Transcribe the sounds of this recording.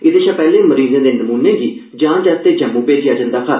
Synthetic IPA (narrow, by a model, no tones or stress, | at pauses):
ɪd̪eːʃãːpɛːlẽːməɾiːzẽːd̪eːnəmuːnẽːɡiː | d͡ʒãːt͡ʃɛt̪eːd͡ʒəmũːpeːd͡ʒɪjaːd͡ʒə̃nd̪aːkʰə